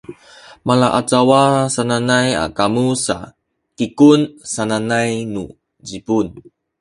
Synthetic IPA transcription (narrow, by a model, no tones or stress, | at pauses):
malaʔat͡sawasananaja̰kamusa̰ | kikunsananajnṵ | d͡ʑipun